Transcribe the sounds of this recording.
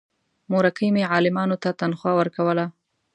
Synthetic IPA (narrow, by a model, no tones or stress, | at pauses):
moɾakimeʕɑlɪmɑnot̪at̪anxwɑwəɾkawəla